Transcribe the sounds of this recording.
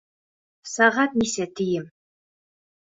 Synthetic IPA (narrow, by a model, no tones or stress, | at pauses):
sɑʁɑt̪nisɛt̪ʰijɘm